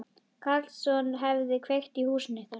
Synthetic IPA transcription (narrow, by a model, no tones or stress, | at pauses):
kʰalsɔnɦɛvðɪkʰvejxt̪ihuːsɪnːɪθa